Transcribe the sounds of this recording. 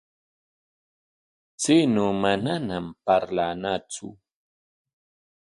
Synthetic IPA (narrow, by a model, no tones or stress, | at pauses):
t͡sɪnoːmananampaɾlanat͡sʊ̰